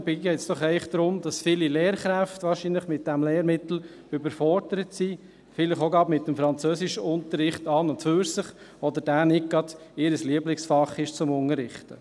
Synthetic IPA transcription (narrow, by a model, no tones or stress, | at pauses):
b̥ɪɛɪt͡sd̥ɔχɛɪəχd̪̥ɾʊmdɑsfɪːlileːɾχɾæftʋɑːɾʃinləχmɪt̚d̥ɛmleːɾmɪt̪l̩ | ʏbəɾfɔɾdəɾətsi | fɪləχoɡɑbmɪtːəmfɾɑnt͡søːsɪʃəʊnt̪əɾːɪχtɑːnʊntføːɾsəχ | ɔd̪əɾd̥æːnɪk̚ɡ̥ɑd̥ɪɾəsliəblɪŋsfɑχɪʃt͡sʊmʊŋəɾɪχtə̰